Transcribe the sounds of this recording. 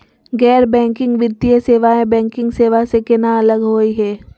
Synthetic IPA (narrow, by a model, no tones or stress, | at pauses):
ɡɛːɾbɛ̃ːŋkɪ̃ŋɡʋɪt̪ijəseːʋaẽbɛ̃ːŋkɪ̃ŋɡseːʋasekɪnaɐləɡɦoːiɦɛː